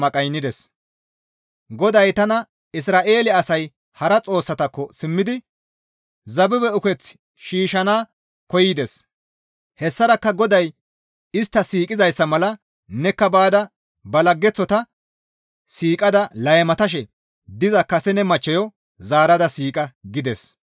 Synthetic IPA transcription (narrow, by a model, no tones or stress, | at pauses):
mɐkʼɐjnːɪd̪ɛs | ɡɔd̪ɐjt̪ɐnɐ | ɪsɾaːʔe̞ːlɪɐsɐj | hɐɾɐt͡sʼo̞ːsːɐt̪ɐkːɔsɪmːɪd̪ɪ | zɐbɪbɛʊkɛt͡s | ʃiːʃɐnaː | kɔjɪd̪ɛs | hɛsːɐɾɐkːɐɡɔd̪ɐj | ɪst̪ːɐsiːkʼɪzɐjsːɐmɐlɐ | nɛkːɐbaːd̪ɐ | bɐlɐɡːɛt͡sːɔt̪ɐ | siːkʼɐd̪ɐlɐjmɐt̪ɐʃ̬ɛ | d̪ɪzɐkɐsɛnɛmɐt͡ʃːɛjɔ | zaːɾɐd̪ɐsiːkʼɐɡɪd̪ɛs